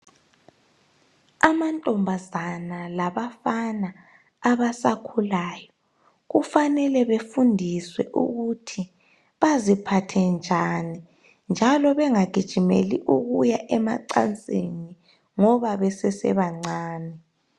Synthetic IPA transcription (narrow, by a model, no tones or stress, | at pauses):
amantʼɔmbʱazanalaβafanaː | βasakʰulaːjɔ | ɣufanɛlɛβefundʱiswɛ̰ʔṵɣutʰi | βazipʰatʰɛnd͡ʒʱani | nd͡ʒʱalɔβɛŋaɡ̥ʱid̥ʒ̥ʱimḛliʔuɣujaʔɛma̰ǀa̰nt͡sʼeni | ŋɔβaβɛsɛsɛ̰βaŋ͡ǀaːnɛ